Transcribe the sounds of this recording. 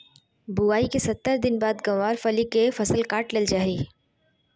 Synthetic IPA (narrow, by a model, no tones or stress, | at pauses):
buaːikesɐt̪ːəɾd̪ɪnbaːd̪ɡɐʋaːɾfɐlikefɐsəlkaːʈlɪld͡ʒaːɦiː